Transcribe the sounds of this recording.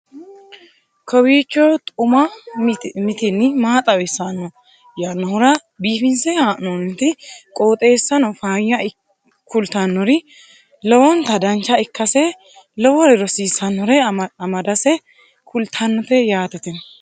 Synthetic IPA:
kʰɔwiːt͡ʃːɔt̪ʼʊmɐ | mɪt̪ɪnːɪmaːt̪ʼɐwɛsːɐnːɔ | janɔhʊɾɐ | biːfɪnsɛhaːʔnɔnt̪ɪkʼoːt̪ʼe̞ːsːɐnɔfaːjːɐ | kʰʊlt̪ɐnːɔɾɪ | lɔwɔnt̪ɐd̪ɐnt͡ʃːɐɪkːɐsɛ | lɔwɔɾɛɾɔsiːsɐnːɔɾɛɐmɐd̪ɐsɛ | kʰʊlt̪ʰɐnːɔt̪ɛjaːt̪ɛt̪ɪn

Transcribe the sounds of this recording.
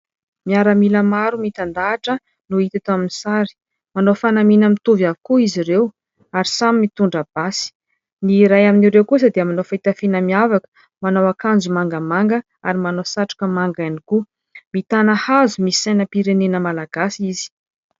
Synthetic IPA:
miaɾəmiləmaɾumit̪and̪aːʈ͡ʂə | nuit̪at̪oaminisaɾi̥ | manofanaminəmit̪uvjavikuiziɾew | aɾisamimit̪uɳɖ͡ʐab̥asi̥ | niɾajaminiɾewkusəd̪eamanofait̪afinəmiavakə̥ | manawakand͡zumaŋɡəmaŋɡə | a̰ɾimanosaʈ͡ʂḁkəmaŋɡajniku | mit̪anahazumisajnəpiɾenenəmalaɡ̥asizi̥

